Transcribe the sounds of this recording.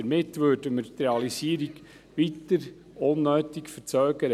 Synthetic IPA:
əɾmɪtʋøːdəməɾtɾɛɑlisiːəɾiɡ | ʋitəɾ | onːøːtɪkfəɾt͡sœːɡəɾə

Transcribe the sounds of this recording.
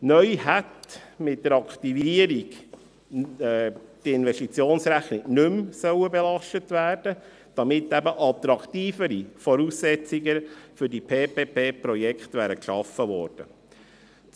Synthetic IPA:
nœʏhætmɪtːdəɾɑkχt̪iviəɾiɡ | tiɪnʋɛʃtit͡sjoːnsɾæχnɪɡnʏmsœwəbɛlɑʃtətʋæːrd̥ə | d̥ɑmɪtːɛbəʔɑt̪ɾɑkt̪iːfəɾifɔɾuːssɛt͡siɡəfʏɾdipʰeːpeːpʰeːpɾɔjɛkχtʋæːɾəkʃɑfəʋɔ̰ːɾd̥ə̰

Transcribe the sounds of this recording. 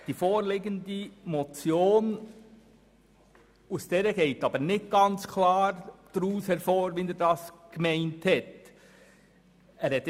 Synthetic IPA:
d̥iːfoːɾlɪːɡəndəmot͡sjoːn | usd̥eːɾəɡ̥eɪtɑːbənɪt̚ɡ̥ɑnt͡skʰlaːɾd̥ɾuːshɛɾfoːɾʋɛnɛːɾdɑːsɡ̥mɛɪnthɛt | ɛːɾhɛt

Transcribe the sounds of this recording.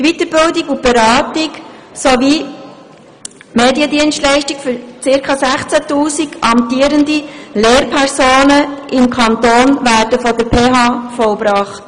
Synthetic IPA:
tʋit̪əbɪldikʊb̥ɛɾɑːtɪk | soʋi | meːdiədiənstlɛɪʃtikfʏɾt͡sɪɾkʰɑsæχt͡sætuːsiɡɑmtiːəɾəndileːɾpʰɛɾsoːnəɪmkʰɑnt̪oːnvæːɾdəfɔdəɾpʰeːɦɑfɔlbɾɑːχt

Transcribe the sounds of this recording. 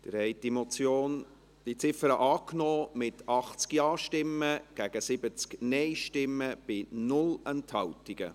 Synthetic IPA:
d̪̥ə̰ɾhɛɪdimɔt͡sjoːn | d̥it͡sɪfəɾəʔɑːknɔːmɪtʰɑχt͡skjɑːʃtɪmːəɡ̥æɡ̥əsɪbət͡sknɛɪʃtɪmːəb̥ɪnʊlɛnthɑwtiɡ̥ə̰

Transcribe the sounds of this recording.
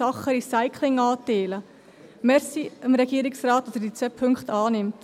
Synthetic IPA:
ɑχːəɾisaɪkʰlɪŋɑːt̪eːlə | mɛɾsiəmɾɛɡ̥iəɾɪksɾɑːt̪ːɑsədit͡sɛpʰʏŋkχtɑːnɪmt

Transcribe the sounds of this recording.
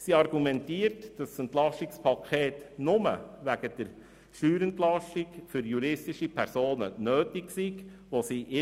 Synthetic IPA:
siɑɾɡ̥umɛntiərtd̥ɑsənt̪lɑʃtɪkspʰɑkʰχeːtnʊmə̰ʋæɡ̥əd̥̪əɾ | ʃyːɾəntlɑʃtikfʏɾjuɾɪstɪʃipʰæɾsoːnənøːtiksiɡʋosiʔɪ

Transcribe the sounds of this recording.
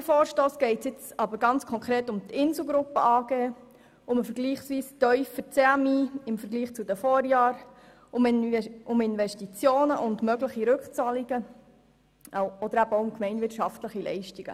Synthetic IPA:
əfoːɾʃtoːsɡ̥ɛɪtsjɪt͡sɑbəɾɡ̥ɑnt͡skʰɔŋkχɾeːtʊmt̪ɪnsl̩ˠɡɾʊpːəɑːɡ̥eː | ʊməfəɾɡliːχsʋiːstœʏfət͡seɑmiːɪmfəɾɡliːχt͡sud̪əfɔːɾjɑːɾ | ʊmʊmɪnʋɛʃtit͡sjoːnəʔʊndmœɡləχiɾɵkt͡sɑːliɡ̥ə | ɔd̥̪əɾæb̥əoʊʊmkmɛɪnvɪtʃɑftləχilɛ̰ɪʃtiɡ̥ə̰

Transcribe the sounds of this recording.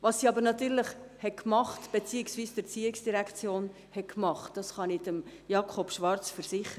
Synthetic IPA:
ʋɑsːiɑbəɾnɑt̪yːɾləχhɛtkmɑχtb̥et͡siːɪksviːsd̥əɾt͡siːɪksd̥iɾækʰt͡sjoːn | hɛtkmɑχtd̥ɑsχɑnid̥əmjɑːkʰɔpʃʋɑɾt͡sfəɾsɪχəə

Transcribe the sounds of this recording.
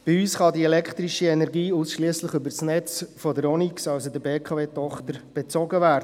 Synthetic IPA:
b̥ɪyːsχɑdiɛlɛkχt̪ɾiʃiɛnɛɾɡiːusʃliəsləχybəɾsnɛt͡sfodəɾɔniksɑwsodəbeːkʰɑveːtɔχt̪əɾb̥ɛt͡sɔɡəvæːɾdə

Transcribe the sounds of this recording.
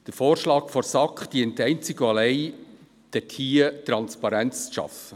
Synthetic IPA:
d̥əɾfoːrʃlɑːkfɔɾsɑkχd̥iəntːɛɪnt͡sɪɡ̥oɑlɛɪ | d̥ɛtʰhiːətɾɑnspɑɾɛnt͡sʃɑ̰fə

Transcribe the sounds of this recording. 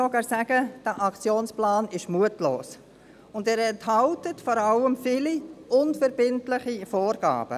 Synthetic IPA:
oɡɑːɾsæɡ̥əd̥æʔɑkt͡sjoːnsplɑːnɪʃmuətlo̰ːs | ʊndæːɾɛnthɑltətfɔːɾɑləmfɪliʔʊnfəɾb̥ɪntlɪχifoːɾɡ̥ɑ̰ːb̥ə̰

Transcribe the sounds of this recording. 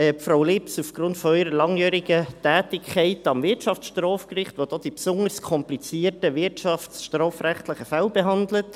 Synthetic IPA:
ɛːpfɾawlɪpsufɡ̥ɾʊntfɔœʏɾəlɑŋjœːɾɪɡ̥ətæːtɪkʰχɛɪtɑmvɪtʃɑft͡ssʃtrɔːfkrɪχtvʋod̥oːd̥ipsʊŋərskʰɔmplit͡siːtəʋɪtʃɑftsʃtrɔːfræχtlɪχəfɛlbeɦɑnd̪lət

